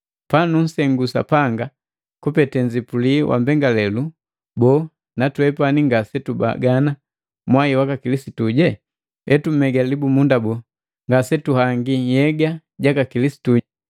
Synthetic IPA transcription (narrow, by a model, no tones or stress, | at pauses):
panun̩sɛŋɡusa̰paŋɡa | kupɛtɛɲd͡ʒipuliwʔa̰mbɛŋɡalɛlu | bɔ | natwɛpaniŋɡasɛtuba̰ɡana | mwaiwakakilisituɟɛ | ɛtum̩ɛɡalibumundabɔ | ŋɡasɛtuhaŋɡijɛɡa | ɟakakilisi̥tu